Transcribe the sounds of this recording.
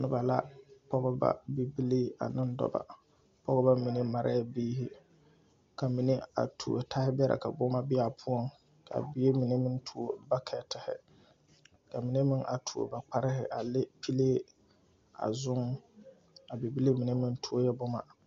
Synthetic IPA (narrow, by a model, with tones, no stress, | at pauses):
nɨ˦ba˨la̰˦pɔ˦ɣɨ˦ba̰˦bi˦bi˦le˦a̰˨nɨ˦ndɔ̰˦ba̰˨ | pɔ˦ɣɔ˦ba˦mi˨ne˦ma˨ɾʔa̰˦ja˦biː˦ɦɪ˦ | ka˨mi˨ne˦a̰˨tʰu˨o˨tʰa˦hɪ˦bɛ˦ɾa̰˨ka˨bʊ˦ma˦bɪ˦a˨pʰu˦ɔ˦ŋ | kʰa̰˨bɪ˦je˦mi˨ne˦mɪ˦n˦tʰu˨o˦ba˦kʰɛ˨tɪ˨hɪ̰˨ | ka˨mi˨ne˦mɪ˦ŋʔa̰˨tʰu˨o̰˨ba˨k͡pa˦ɾɪ˦ɦɪ̰˨ʔa˨le˦pi˦leː˦ | a̰˨zʊ˦ŋ | a˨bi˨bi˦le˦mi˨ne˦mɪ˦n˦tʰu˦o˦jɛ˦bʊ˦ma̰˨